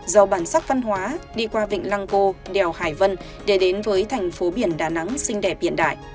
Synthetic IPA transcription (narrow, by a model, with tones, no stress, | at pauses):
zə˨˩wɓaː˧˩nsa˦˥k̚və˧nɦwaː˨˦ɗi˧kwaː˧vḭ˧˨ŋ̟la˧ŋko˧ɗɛ˨˩whaː˧˩jvə˧n | ɗe˧˩ɗe˨˦nvəː˨˦jt̪ʰɛ˨˩jŋ̟fo˨˦ɓi˧˩ənɗaː˧˩na˨˦ŋsï˧ŋ̟ɗɛ˧˩p̚ɓi˧˩ənɗa̰ː˧˨jʔ